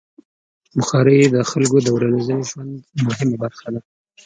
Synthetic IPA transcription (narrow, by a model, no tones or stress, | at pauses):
bʊxɑɾəjed̪əxalkod̪əwɾalazəneʒwand̪mʊɦɪmabaɾxad̪a